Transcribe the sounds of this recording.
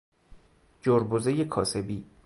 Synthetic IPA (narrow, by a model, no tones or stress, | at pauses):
d͡ʒoɾbozejekʰɒːse̞biː